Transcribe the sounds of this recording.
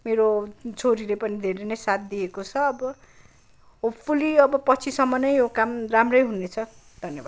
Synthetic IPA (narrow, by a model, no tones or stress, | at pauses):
meɾot͡sʰoɾilepʌnid̪ʱeɾenʌjsat̪̚d̪iekot͡sʰʌːbʌ | opʰuliʌbʌpʌt͡sʰisʌmːʌnʌjjokamramrʌjɦunet͡sʰʌ | d̪ʱʌnjebad̪